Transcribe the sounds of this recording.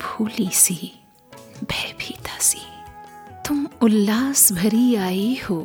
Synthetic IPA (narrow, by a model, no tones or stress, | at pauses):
bʱuːlisiː | bʱɛːbʱiːt̪asi̥ | t̪ʊmʊlːaːsbʱɐɾiaːihoː